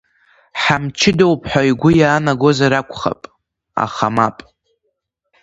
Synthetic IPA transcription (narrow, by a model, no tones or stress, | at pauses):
ħamt͡ʃʰɪdowpʰħʷᶣaiɡʷʊjaːnaɡo̞zaɾakʷʰʼχa̰pʼ | a̰χamapʼ